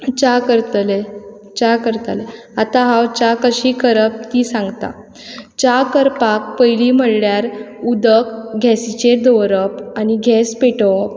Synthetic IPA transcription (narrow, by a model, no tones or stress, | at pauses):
t͡ɕakəɾt̪le | t͡ɕakəɾt̪ale | at̪aɦawt͡ɕakəɕiːkəɾəp̚t̪iːsãŋɡt̪a̰ | t͡ɕakəɾpak̚pəjliːm̤əɽljaɾud̪əkɡʱɛsit͡ɕed̪ɔwɾəpaniɡʱɛspeʈɔp̚